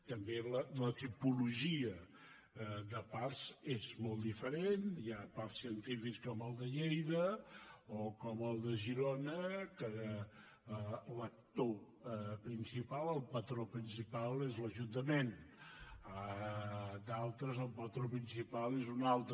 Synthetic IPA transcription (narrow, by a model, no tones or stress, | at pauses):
t̪əmbelələt̪ipuluʒiə | ðəpaɾzezmɔlˠd̪ifəɾenjaparsiənt̪ifikskɔməlˠd̪əʎejðə | okɔməlˠd̪əʒiɾonəkə | lək̚t̪o | pɾinsipalˠəlˠpət̪ɾopɾinsipalezləʒunt̪əmen | ə | d̪alˠt̪ɾəzəlˠpət̪ɾopɾinsipalˠezunalˠt̪